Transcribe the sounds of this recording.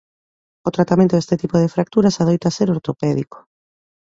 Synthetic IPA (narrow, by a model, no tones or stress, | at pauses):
ot̪ɾat̪amẽnt̪oest̪et̪ipoðefɾak̚t̪uɾasaðejt̪aseɾoɾt̪opɛðḭko̥